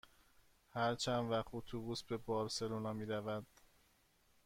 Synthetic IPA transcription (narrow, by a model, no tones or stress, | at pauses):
hæɾt͡ʃʰænvæχt̪ot̪ʰubuːsbe̞bɒːɾse̞lonɒːmiːɾævæd̪̥